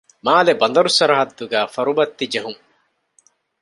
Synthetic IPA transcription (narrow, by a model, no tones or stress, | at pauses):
maːlebɐnd̪ɐɾusɐɾɐɦɐd̪ːuɡæːfɐɾubɐt̪ːid͡ʒɐɦuŋ